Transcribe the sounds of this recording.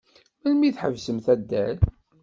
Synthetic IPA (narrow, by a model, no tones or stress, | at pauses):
mælmiθħəvsəmθæd̪ːæl